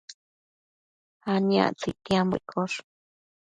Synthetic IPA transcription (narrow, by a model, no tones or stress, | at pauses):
hania̰t͡sit̪iamb̰kʰoʂ